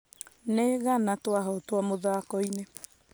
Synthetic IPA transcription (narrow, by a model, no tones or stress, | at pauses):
neɣanatwaɦɔtwamoðaːkɔine